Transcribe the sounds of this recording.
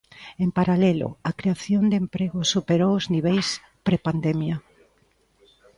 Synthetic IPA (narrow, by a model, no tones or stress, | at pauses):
empaɾalɛlʊ̰akɾeaθjond̪empɾeɣʊsupeɾowʊzniβejs | pɾepand̪emja